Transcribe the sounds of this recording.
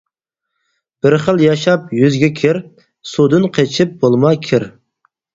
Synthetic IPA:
b̥ɪɾχəlˠjɑʃɑpjyzɡʲɛkʲʰɪɾ | sud̪ɨnqʰet͡ʃʰɪp̚bolˠmɑkʲʰɪɾ

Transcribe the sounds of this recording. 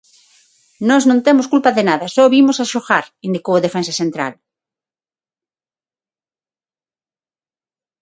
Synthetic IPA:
nɔznõnt̪emoskulpaðenaðɐsɔβimosaʃoɣaɾind̪ikowaðefensasent̪ɾa̰l

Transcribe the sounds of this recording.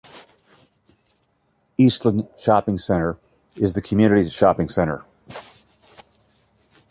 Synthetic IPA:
istˡlə̃nʃɑpɪ̃ŋsɛ̃ɾ̃ə˞ | ɪzðɨkʰmjʉnɨɾiz̥ʃɑpɪ̃ŋsɛ̃ɾ̃ə̰˞

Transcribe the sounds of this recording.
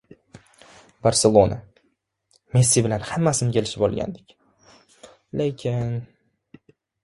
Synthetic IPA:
baɾse̞lˠona | mesːibɪlanhamːasɪnɪkʲʰe̞lɪʃɪbɒlˠɡʲa̰nd̪ɪkʲ | lekʲʰɪn

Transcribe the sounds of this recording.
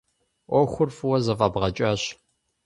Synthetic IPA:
ʔʷɔxʷʊrfwɐzɐfʼɐbʁɐt͡ʃʼaɕ

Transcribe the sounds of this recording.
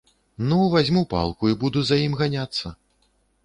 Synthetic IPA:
nuvazʲmupa̰lˠkuibud̪uzajimɣanʲat̪sːɐ

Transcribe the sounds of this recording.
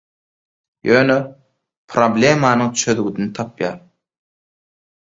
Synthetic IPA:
jøːnø | pʰɾoblʲemɑːnɯŋt͡ʃʰø̞ðɡyd̪ynit̪ʰɑpjɑ̰ːɾ

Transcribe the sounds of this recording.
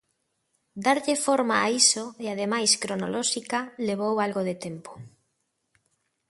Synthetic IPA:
d̪aɾʎefoɾmaːisoeaðemajskɾono̰lɔʃikaleβ̞owalɣoðet̪empo̥

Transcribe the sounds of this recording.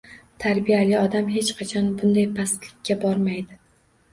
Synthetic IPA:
t̪ʰaɾbijalɪɒd̪amhe̞t͡ʃqʰɑt͡ʃʰɒnbʊnd̪ajpʰast̪lɪkʲʰːabɒɾmajd̪ɪ

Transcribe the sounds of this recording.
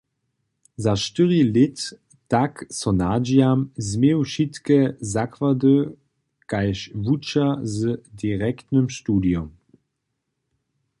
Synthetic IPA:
zaʃtəʁilɪtː | aksɔnad͡ʒjamzmewʃitkɛzakvadə | kajʃvut͡ʃazədiʁɛktnəmʃtuːdjɔm

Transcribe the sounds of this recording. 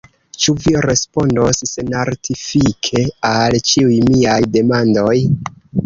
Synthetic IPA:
t͡ʃuviɾe̞spo̞ndosːenaɾtʰifikʰe̞alt͡ʃiujmiajde̞mando̞j

